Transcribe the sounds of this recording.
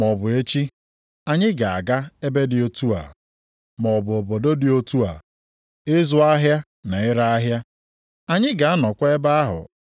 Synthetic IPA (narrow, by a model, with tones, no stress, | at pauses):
mɔ˨bʊ˨e˦t͡ʃi˦ | a˨ɲɪ˦ɡa˨a˨ɡa˦e˦be˦dɪ˨o˦tu˦a̰˨ | mɔ˨bʊ˨o˨bo˨do˦dɪ˨o˦tu˦a̰˨ | ɪ˦zʊ˦a˦ɦja˦ | na˨ɪ˦ɾa˦a˦ɦja˦ | a˦ɲɪ˦ɡa˨a˦nɔ˨kʷa˦e˦ba˦a˦ɦʊ̰˨